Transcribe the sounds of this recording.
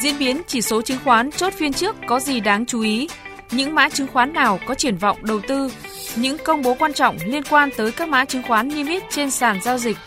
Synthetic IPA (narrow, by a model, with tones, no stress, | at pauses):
zḭ˧˥ənɓi˨˦ənt͡ɕi˧˩so˨˦t͡ɕɨ˨˦ŋxwaː˨˦nt͡ɕo˦˥t̚fi˧ənt͡ɕɨ˦˥əkːɔ˨˦zi˨˩ɗaː˨˦ŋt͡ɕu˨˦ʔi˨˦ | ɲɨ̰˧˥ŋma̰ː˧˥t͡ɕɨ˨˦ŋxwaː˨˦nːaː˨˩wkɔ˨˦t͡ɕi˧˩ənvɔ̰˧˨wŋ͡mɗə˨˩wt̪ɨ˧ | ɲɨ̰˧˥ŋkə˧wŋ͡mɓo˨˦kwaː˧nt͡ɕɔ̰˧˨wŋ͡mli˧ənkwaː˧nt̪əː˨˦jkaː˦˥k̚ma̰ː˧˥t͡ɕɨ˨˦ŋxwaː˨˦nːi˧mi˦˥t̚t͡ɕe˧nsaː˧˩nzaː˧wzï˨˩k̚